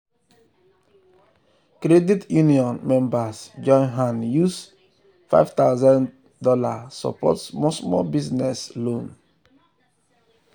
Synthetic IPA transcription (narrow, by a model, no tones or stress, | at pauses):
kɾeditjuniɔ̃nmɛ̃mbasd͡ʒɔ̃nɦãnjus | fa̰ɪvt̪aʊzãn | dɔla̰sɔ̰pɔ̰tmɔsmɔ̰biznɛslõn